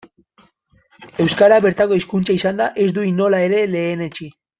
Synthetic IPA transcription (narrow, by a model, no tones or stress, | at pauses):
e̞wskaɾaβe̞ɾt̪ako̞iskunt͡ʃaisand̪aʔe̞zd̪uino̞lae̞ɾe̞le̞ːne̞t͡ʃi